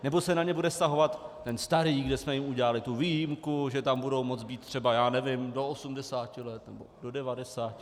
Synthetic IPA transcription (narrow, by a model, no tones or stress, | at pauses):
nɛbosɛnaɲɛbudɛst̪aɦo̞vat̪ː | ɛnst̪aɾiːɡdɛsmɛjɪmuɟɛlalɪt̪uviːjɪmkuʒɛt̪ambudo̞wmot͡sbiːt̪t̪ːr̝̥ɛbajaːnɛvɪmdo̞osumdɛsaːcɪlɛt̪nɛbo̞dodɛvadɛsaːcɪ